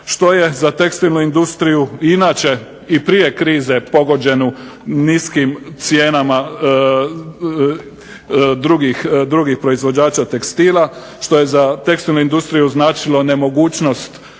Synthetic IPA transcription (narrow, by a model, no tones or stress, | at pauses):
ʃt̪o̞je̞zat̪e̞kst̪ilnuind̪ust̪ɾijuinat͡ʃe̞ | ipɾije̞kɾiːze̞po̞ɡo̞d͡ʑe̞nuniskimt̪sjeːnama | d̪ɾuɡixd̪ɾuɡixpɾo̞izʋo̞d͡ʑaːt͡ʃat̪e̞kst̪iːlˠa | ʃt̪o̞je̞zat̪e̞kst̪ilnuind̪ust̪ɾijuznaːt͡ʃilˠo̞ne̞mo̞ɡuːt͡ɕno̞st̪